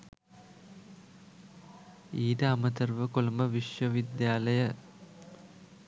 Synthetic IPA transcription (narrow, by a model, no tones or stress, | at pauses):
iːdɐɐmɐt̪ɐrʋəkolɐmɐʋiʂʋɐʋid̪jaːlɐjɐ